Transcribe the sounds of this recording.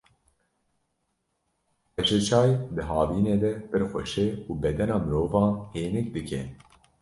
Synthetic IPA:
pɛʃɛt͡ʃʰɑːjd̪ɨɦɑːviːneːd̪ɛpɨɾxʷɛ̰ʃeːuːbɛd̪ɛnɑːmɨɾoːvɑ̃ːnheːnɨk̚d̪ɨkʰɛ

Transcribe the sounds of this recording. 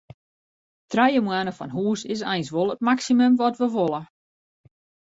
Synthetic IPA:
trɛjəmwanəfɔ̰nɦuəsɪs̬ɛ̰jnsʋolˠət̚maksimømʋɔtʋəʋolˠə

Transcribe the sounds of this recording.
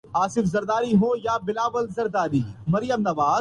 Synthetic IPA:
aːsɪfzɐɾd̪aːɾiɦõjabɪlaːʋəlzɐɾd̪aːɾiːmɐɾɪjəmnɐʋaːz

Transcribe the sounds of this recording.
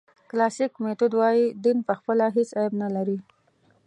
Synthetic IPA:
klɑsɪkmet̪ud̪wɑjid̪inpəxpəlaɦesabnalaɾi

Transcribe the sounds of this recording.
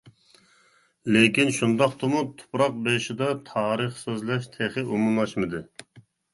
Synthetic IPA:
lekʲinʃund̪ɑqt̪ɨmut̪ʰu̥pɾɑq̚belɪʃid̪ɑt̪ʰɑːɾəχsøzlɛʃt̪ʰɛχɪumulˠɑʃmɨd̪ɨ

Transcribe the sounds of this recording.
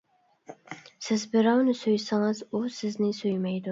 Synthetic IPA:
sɪzbɪɾawnɪsʊjsaŋɪzʊsɪznɪsʊjmajd̪ʊ

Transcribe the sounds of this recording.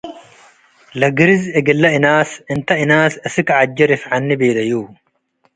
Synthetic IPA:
lɐɡɪɾɪzɛɡɪlːɐɪnaːsɪnt̪ɐɪnaːsɐsɪkɐʕad͡ʒːɐɾɪfʕɐnːɪbeːd̪ɐjuː

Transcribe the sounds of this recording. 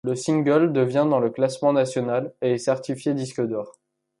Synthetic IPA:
ləsĩŋɡœld̪əvjɛ̃d̪ɑ̃ləklasmɑ̃nasjɔnaleɛsɛʁt̪ifjed̪iskəd̪œʁ

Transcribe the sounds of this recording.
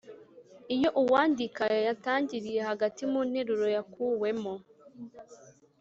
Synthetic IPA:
ijo̞ʔuwaːndikajataːɲɟiɾije̞haɡatimuːn̥he̞ɾuɾo̞jakʰuːwe̞mo

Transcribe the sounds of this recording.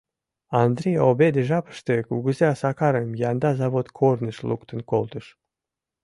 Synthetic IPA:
ɑnd̪ɾejobed̪eʒɑpə̥ʃt̪ĕkuɡəzeɑsɑkɑɾəmjɑnd̪ɑzɑvot̪kʰornəʃlukt̪ə̆nkolt̪əʃ

